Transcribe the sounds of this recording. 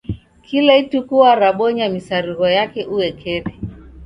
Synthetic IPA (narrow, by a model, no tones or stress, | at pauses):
kʰilaitukuaɾaɓɔɲamisaɾiɣɔjakɛʔuwɛkʰɛβi